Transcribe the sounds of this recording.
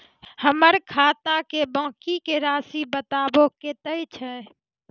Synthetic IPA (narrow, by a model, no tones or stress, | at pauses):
həməɾkʰat̪ãkebə̃kikeɾasibət̪aboket̪əjt͡ʃʰɛ